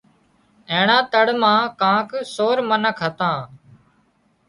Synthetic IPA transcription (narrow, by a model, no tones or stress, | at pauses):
ẽːɳãːt̪əɽmãːkãːksoːɾmənəkʰɦət̪ãː